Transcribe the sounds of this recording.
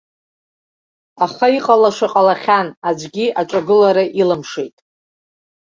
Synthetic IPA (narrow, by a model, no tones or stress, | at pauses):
aχaiqʼalaʂaqʼalaχʲanad͡ʒʷɡʲiʔaʈ͡ʂʷʼaɡɨlaɾaʔilɨmʂejtʼ